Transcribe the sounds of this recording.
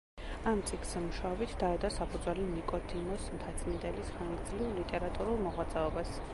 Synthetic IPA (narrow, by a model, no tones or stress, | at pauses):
amt̪sʼikʰz̥ɛmuʃaɔbit̪ʰd̪aɛd̪asapʰud̪zwɛlinikʼɔt̪ʰimɔsmt̪ʰat̪sʼind̪ɛlisχaŋɡd̪zlivlit̪ʼɛɾat̪ʼuɾulˠmɔʁwat̪zʼɛɔbas